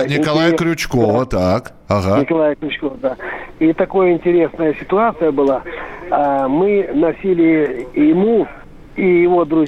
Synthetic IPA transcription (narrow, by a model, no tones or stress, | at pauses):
nʲɪkɐlˠajəkɾʲʊt͡ɕkovət̪ak | aɦanʲɪkɐlˠajəkɾʲʊt͡ɕkovəd̪ait̪ɐko̞jəɪnʲtʲɪɾʲe̞snəjəsʲɪ̥t̪ʊat̪sɨjəbɨlˠaamɨnɐsʲilʲɪjɪmu | ijɪvo̞d̪ɾʊz